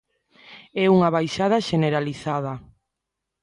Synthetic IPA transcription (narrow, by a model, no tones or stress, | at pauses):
ɛuŋaβajʃað̞aʃeneɾaliθaðɐ